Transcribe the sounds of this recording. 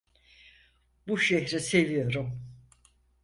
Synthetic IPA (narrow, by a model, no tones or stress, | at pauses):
buʃɛçɾɛsevijo̞ɾum